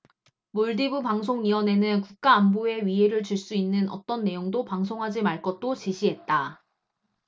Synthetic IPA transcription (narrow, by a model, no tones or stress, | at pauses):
moɭdibupaŋsʰoŋiwʌne̞nɯnkuk̚k͈aːmboe̞ɥiɦe̞ɾɯɭt͡ɕuɭs͈uinːɯnʔʌ̰t͈ʌnːe̞joŋdopaŋsʰoŋɦad͡ʑimaɭk͈ʌt͈ot͡ɕiɕʰiɦe̞t̚t͈a